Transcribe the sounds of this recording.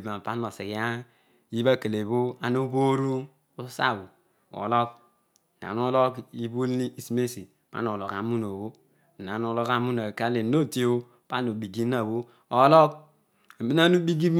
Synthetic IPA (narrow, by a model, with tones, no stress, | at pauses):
ba˨m˨pa˦no˨se˨ka˦ | i˦βa˦ke˨le˨βo˦a˨no˦bo˦ɾu˦ | o˦sa̰˦˨bu˨ | o̰˨lo˦k̩̚˨ | na̰˨no˦lo˦ki˦bu˦lni˦i˨si˦me˦si˨pa̰˦no˨lo˨ka˨mu˦no˨wo˦˨ | na˨no˦lo˦ka˦mu˦na˨ka˦le˨no˦˨ti˦o˦ | pa˦no˨bi˨ɡi˦na˨βo˦ | o˨˦lo˦k | mi˦na˦nu˦bi˦ɡi˦